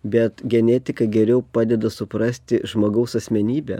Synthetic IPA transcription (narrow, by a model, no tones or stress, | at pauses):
bʲɛt̪ɡʲɛnʲɛt̪ʲɪkɐɡʲɛɾʲɛʊpɑːd̪ʲɛd̪ɐsʊpɾɐsʲt̪ʲɪʒmoːɡɐʊsɐsʲmʲɛnʲiːbʲɛ̰